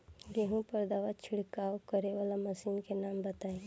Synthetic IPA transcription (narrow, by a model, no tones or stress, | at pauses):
jeɦũpɐɾd̪aːʋat͡ʃʰɪɽkaːokɐɾeʋaːlamɐsiːnkenaːmbət̪aːe